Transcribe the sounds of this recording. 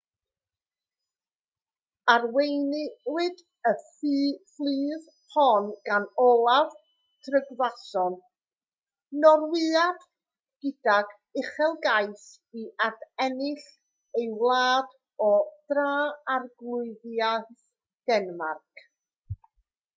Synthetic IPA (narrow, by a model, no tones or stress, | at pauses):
arwejnɪwɨd | əfiːflˠiːð | hɔnɡanɔlˠav | tʰrəɡðasɔn | nɔrwɨad̥ | ɡ̥ɪdaɡ | ɪχɛlˠɡajs | iʔardɛnɪɬ | ewlˠaːd | ɔd̥raːarɡlˠʊɨðjaθ | d̥ɛnmarkʰ